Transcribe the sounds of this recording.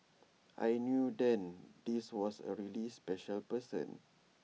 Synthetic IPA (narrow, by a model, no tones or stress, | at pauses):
ʔa̰jnjudɛ̃ndiswɔsə̰ɹilispɛʃəlpəsə̰̃n